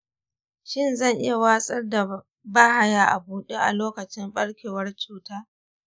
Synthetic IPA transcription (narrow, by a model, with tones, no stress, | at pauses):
ʃɪ˦nzɐ˦˨ŋʔɪ˦ja˨waː˦sʼɐ˦rda˨ | baː˦ha˦ja˨ʔa˨buː˦ɗeː˦ʔa̰˨loː˦kɐ˨t͡ʃɪ˦mɸʼɐ˦ɽkʲeː˨wɐ˦rt͡ʃuː˦taː˦